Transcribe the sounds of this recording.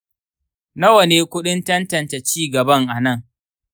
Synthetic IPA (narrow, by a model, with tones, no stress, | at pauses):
na˦wɐ˨neː˦kʷʊ˦ɗɪ˦ntɐ˦ntɐ˨nta˨t͡ʃiː˦˨ɡɐ˨bɐ˦ŋʔa˨nɐ˦˨ŋ